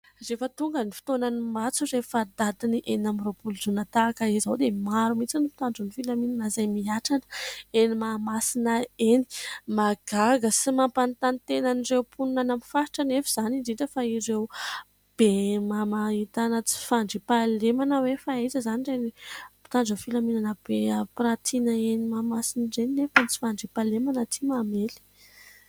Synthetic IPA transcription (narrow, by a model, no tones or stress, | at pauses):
refət̪uŋɡənifi̥t̪onanimat͡surefad̪ad̪iniʔenamiropuluzunat̪akəezawd̪emaɾumit͡sinipi̥t̪aɳd͡zunifilamininazajmiaʈ͡ʂanə̥enimamasinəeni̥maɡ̥aɡəsimampant̪anit̪enanirewpʰununanamifaɾiʈ͡ʂənefiz̥aniɳɖ͡ʐiɳʈ͡ʂəfaiɾew | b̥emamait̪anət͡si̥faɳɖ͡ʐipalemanəwefaetəzanizanipi̥t̪aɳɖ͡ʐəfilaminanəb̥eəprat̪ʰinəenimamasinɖ͡ʐeninefant͡si̥faɳɖ͡ʐipalemanət̪ʰimameli̥